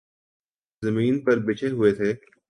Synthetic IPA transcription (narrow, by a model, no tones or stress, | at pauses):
zɐmiːnpɐɾbɪt͡ʃʰeɦʊet̪ʰeː